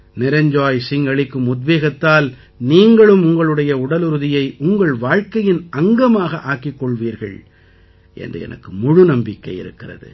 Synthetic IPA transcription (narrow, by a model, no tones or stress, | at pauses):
nɪɾɐɲd͡ʒaːjsɪŋɡɐɭɪkːɯmʊd̪ʋeːɣɐt̪ːaːl | niːŋɡɐɭɯmʊŋɡɐɭɯɽɐjɐʊɽɐlɯɾɯðɪjɐɪʔʊŋɡɐɭʋaːɻkɐjɪnɐŋɡɐmaːɣɐʔaːkɪkːɔɭʋiːɾɣɐ̰ɭ | ʔɛ̰ndrɯ̰ɛ̰nʔɐ̰kːɯmʊɻʊnɐmbɪkːɐ̰ɪɪ̰ɾɯ̰kːɪrɐ̰ðɯ̰